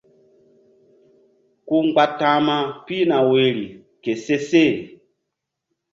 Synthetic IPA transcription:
ku˦ŋ͡mɡ͡ba˦tã˦ma˦pi˦na˨we˨ɾi˨ | ke˨se˦se˦˨

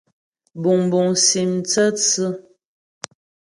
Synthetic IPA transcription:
bu˨ŋbu˨ŋsi˨mt͡sə˦t͡sɨ˦

